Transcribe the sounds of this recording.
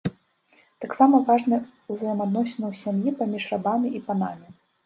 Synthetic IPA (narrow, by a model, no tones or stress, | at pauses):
t̪aksamɐvaʐnɨuzɐjɛmad̪̚nɔsʲɛnɐwsʲamjipamʲiʂrabamʲiʔipanamʲi